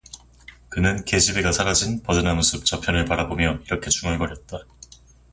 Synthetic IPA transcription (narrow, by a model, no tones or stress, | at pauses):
kɯnɯnke̞d͡ʑibeɡasʰaɾad͡ʑinpʌdɯnamusʰɯp̚t͡ɕ͈ʌpʰjʌnɯɭpaɾabomjʌiɾʌkʰe̞t͡ɕuŋʌɭɡʌɾjʌt̚t͈a